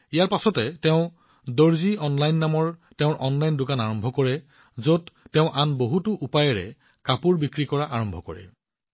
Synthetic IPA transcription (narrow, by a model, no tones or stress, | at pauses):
ijaɹpasɔtɛtɛʊ̃ | doɹziɔnlajnːamɔɹtɛʊ̃ʔɔnlajndʊkanaɹɔmbʱɔkɔɹɛ | zotːɛʊ̃ʔanboɦutʊʔupajɛɹɛ̰ | kapuɹbikɹikɔɹaʔaɹɔmbʱɔkɔ̰ɹɛ̰